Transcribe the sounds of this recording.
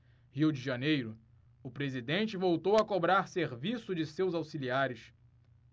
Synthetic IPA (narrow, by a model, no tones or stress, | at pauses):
hiwd͡ʒɪʒanejɾʊ | ʊpɾezid̪ẽnt͡ʃɪvowt̪owɐkobɾaɾseɾvisʊd͡ʒɪsewzawsiliaɾɪʃ